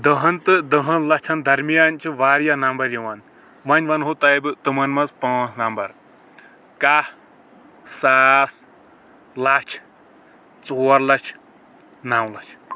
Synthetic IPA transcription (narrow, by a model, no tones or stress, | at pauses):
d̪ɐɦɐnt̪ɨd̪ɐɦɐ̃nlɐt͡ʃʰɐnd̪ʱɐɾmijaːnt͡ʃʰiʋaːɾjanɐmbɐɾjiʋɐn | ʋɐnʲʋɐnɦot̪ɐjbɨt̪ɨmɐnmɐt͡spãːt͡sʰnɐmbɐɾ | kaːh | saːs | lat͡ʃʰ | t͡soːɾlɐt͡ʃʰ | nawlɐt͡ʃʰ